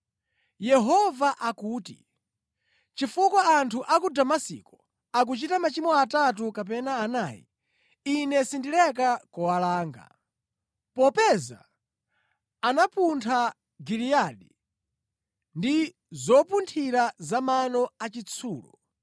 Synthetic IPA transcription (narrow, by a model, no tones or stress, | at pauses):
jɛɦɔvaʔakuːtḭ | t͡ʃifukwaantʰuʔak̬udamasḭkɔ | ak̬ut͡ʃitamat͡ʃimɔatat̬ukap̬ɛnaːnaːjḭ | inɛsindilɛk̬akɔwalaːŋɡa̰ | pɔpɛza̰ | anapuntʰa | ɡiliaɗi | ndi | zɔpuntʰiɾazamanɔat͡ʃit͡sʰuːlɔ̰